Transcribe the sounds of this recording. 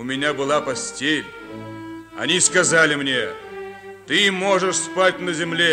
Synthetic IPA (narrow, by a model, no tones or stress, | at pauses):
ʊmʲɪnʲabɨlˠapɐsʲtʲelʲ | ɐ̰nʲiskɐzalʲɪmnʲe̞ | t̪ɨmo̞ʐɨʂspat̚ʲnəzʲɪmlʲe